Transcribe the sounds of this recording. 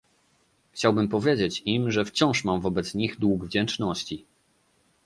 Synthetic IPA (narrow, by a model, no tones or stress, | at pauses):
xt͡ɕawbɘmpɔvʲjed͡ʑet͡ɕimʐɛft͡ɕɔ̃w̃ʂmamvɔbɛt̪sɲiɣd̪wuɡvd͡ʑɛnt͡ʂnɔɕt͡ɕi